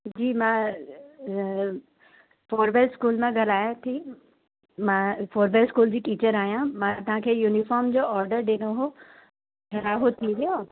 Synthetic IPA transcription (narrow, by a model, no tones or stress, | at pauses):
d͡ʑiːmã | foːɾbeɾskuːlmãɡʱɐlaːjãt̪ʰi | mãːfoːɾbeɾskuːld͡ʑiːʈiːt͡ɕəɾaːɦjãmãt̪ɐɦãkʰeːjuːnɪfɔːɾmd͡ʑoːɔːɾɖəɾɗɪːñoɦo | kʰɐɾaːɦot̪ʰiʋijo